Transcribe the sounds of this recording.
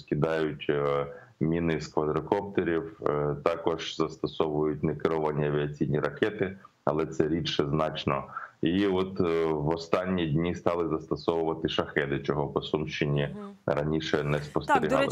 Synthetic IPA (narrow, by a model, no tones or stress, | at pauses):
skʲid̪ɑjʊtʲ | mʲinɪskʋɐd̪ɾɔkɔpt̪eɾʲiwt̪ɑkɔʒzɐst̪ɔsɔʋʊjʊt̚ʲnɛkɪɾɔʋɐnʲiɐʋʲiɐt͡sʲijnʲiɾɐkɛt̪ɪ | ɐ̰lˠɛt̪sɛɾʲiʃɛznɑt͡ʃnɔiɔt̪ʋɔst̪ɑnʲːidʲnʲist̪ɑlˠɪzɐst̪ɔsɔʋʊʋɐt̪ɪʃɐxɛd̪ɪt͡ʃɔɦɔpɔsumʃt͡ʃɪnʲiɾɐnʲiʃɛnɛspɔst̪eɾʲiɦ̪ɑl